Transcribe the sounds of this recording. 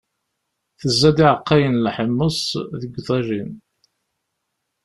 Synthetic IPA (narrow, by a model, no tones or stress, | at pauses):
θəzːæd̪iʕəqːɑjənlħəmːəsˤðəɡʷðˤɑʒin